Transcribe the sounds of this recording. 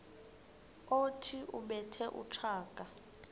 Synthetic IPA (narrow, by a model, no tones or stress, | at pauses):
otʰiʔuɓɛtʰɛʔṵt͡ʃʰaːkʼa